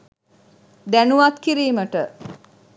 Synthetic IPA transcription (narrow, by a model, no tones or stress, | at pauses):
d̪ænuʋat̪kiɾiːməʈə